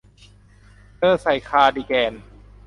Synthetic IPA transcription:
tɤː˥˩sa˨˩jkʰaː˧diː˧kɛː˧n

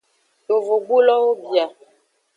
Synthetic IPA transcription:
jo˨vo˨ɡ͡bu˦lɔ˦o˦bja˨

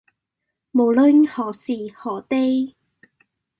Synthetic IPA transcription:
mo˨wlɵ˥˧nhɔː˨˩siː˨˩hɔː˨˩t̪e˥j

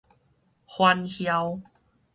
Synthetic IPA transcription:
hwa˧nhja˧w

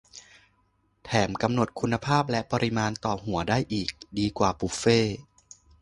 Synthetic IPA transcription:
t̪ʰɛː˩˦mka˧mno˨˩t̪̚kʰu˧nːa˧pʰaː˥˩p̬̚lɛ˦˥ʔpɔ˧ɾi˦˥maː˧nt̪ɔː˨˩ɦu˨˩˦ɐdaː˥˩jʔiː˨˩k̚diː˧kwaː˨˩pu˨˩feː˥˩

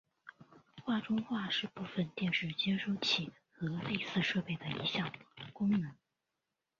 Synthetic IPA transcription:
xwa˥˩ʈ͡ʂʊ˥ŋxwa˥˧ʂɻ̩˥˧pu˥˩fə˧nt̪jɛ˥˧nʂɻ̩˥˩t͡ɕjɛ˥nʂo˥ʊt͡ɕʰi˨˩ | xɤ˧˥le˥˧ɪsɹ̩˥˧ʂɤ˥˧pe˥˩ɪd̪ə˩ḭ˧˥ɕjɑ˨˩ŋkʊ˥ŋnɤ˧˥ŋ

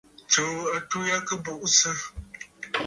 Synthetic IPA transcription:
t͡ʃo˨a˨tu˦ja˦kə˦bʊ˨ʔsɨ˦

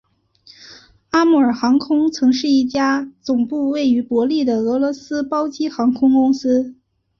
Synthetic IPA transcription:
a˥mu˥˩ə˞˨˩xɑ˧˥ŋkʰʊ˥ŋt͡sʰɤ˧˥ŋʂɻ̩˥˧i˥˩t͡ɕja˥t͡sʊ˨˩ŋpu˥˧we˥˩ɪy˧˥pwɔ˧˥li˥˩d̪ə˩ɤ˧˥lwɔ˧˥sɹ̩˥pɑ˥ʊt͡ɕi˥xɑ˧˥ŋkʰʊ˥ŋkʊ˥ŋsɹ̩˥

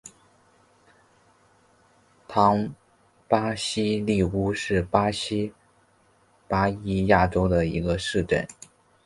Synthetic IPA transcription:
t̪ʰɑ˧˥ŋ | pa˥ɕi˥li˥˩u˥ʂɻ̩˥˩pa˥ɕi˥ | pa˥i˥ja˥˩ʈ͡ʂo˥ʊd̪ə˨ḭ˧˥ɡə˧ʂɻ̩˥˧ʈ͡ʂə̰˥˩n

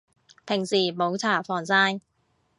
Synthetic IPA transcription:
pʰɪ˨˩ŋsiː˨˩mo˨˥wt͡sʰaː˨˩fɔː˨˩ŋsaː˥n

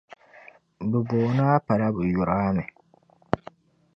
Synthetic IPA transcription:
bɨ˨boː˨naː˦pa˨ɾa˦bɨ˨ju˨ɾaː˦mɛ˨

